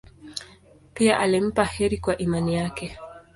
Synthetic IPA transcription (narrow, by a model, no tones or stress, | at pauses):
piaʔalim̩pahɛɾikwaʔimanijakɛ